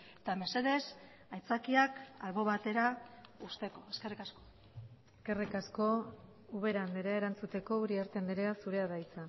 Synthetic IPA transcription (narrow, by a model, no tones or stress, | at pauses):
et̪ame̞se̞ðe̞s | ajt͡sakiakalβo̞βat̪e̞ɾaust̪e̞ko̞eske̞rikasko | eske̞rikasko̞ | uβe̞ɾand̪eɾeaeɾant͡sut̪e̞ko̞uɾiaɾt̪end̪eɾeasuɾe̞aðajt͡sa